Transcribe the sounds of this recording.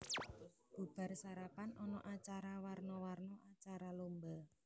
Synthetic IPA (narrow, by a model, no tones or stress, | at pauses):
b̥ub̥a̤rsaɾapanɔnɔ̰ʔat͡ʃaɾawarnɔwarnɔʔat͡ʃaɾalomba